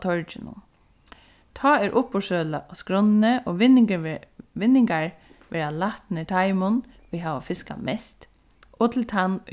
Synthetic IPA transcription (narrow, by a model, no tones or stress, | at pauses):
t̪ʰɔɹt͡ʃɪnʊ̰n | t̪ʰɑːɛɾʔʊpːɔʂœːlaskɾɔnnəʔɔʋɪnɪ | ʋɪnːɪŋkaɹ | ʋɛːɾalaht̪nɪt̪ʰaɪmʊn | ʋiɦaːʋafɪska̰mɛst̪ | ɔt̪ʰɪlt̪ʰan